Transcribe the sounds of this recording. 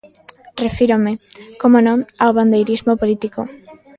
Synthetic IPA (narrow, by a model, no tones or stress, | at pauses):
refiɾomekomonõŋawβand̪ejɾizmopolit̪iko̰